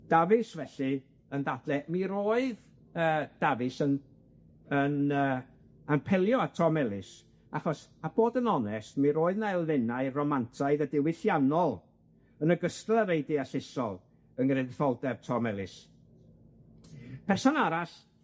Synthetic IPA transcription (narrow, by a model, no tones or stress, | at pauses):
d̥avɨsvɛɬɨ | ənðadlɛmiɾoːɨð | əːd̥avɨsən | ənəː | npʰɛlˠjɔatʰɔmɛlˠɪs | aχɔsab̥oːdənɔnɛstmiɾoːɨðnajlˠvɛnaɨrɔmantʰaɨðədɪwɪθjanɔlˠ | ənəɡəstlˠəɾejdɪasɪsɔlˠ | ənɾedfɔlˠdɛrtʰɔmɛlˠɪs | pʰɛrsɔnaɾas